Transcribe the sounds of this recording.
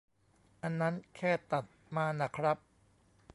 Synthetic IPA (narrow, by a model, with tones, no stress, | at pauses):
ʔa˧nːa˦˥nkʰɛː˥˩t̪a˨˩t̪̚maː˧na˦˥kʰɾa˦˥p̚